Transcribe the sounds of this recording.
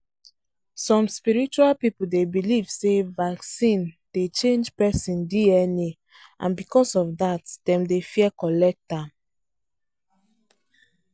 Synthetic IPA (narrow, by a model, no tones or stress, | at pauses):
sɔ̃mspiɹit͡ʃualpipuldebiliv̥sevaksĩnd̥et͡ʃẽnd͡ʒpɛsĩndiɛni | ʔã̰nbikɔsɔvdatd̥ɛ̃mdefiɛkɔlɛk̚tãm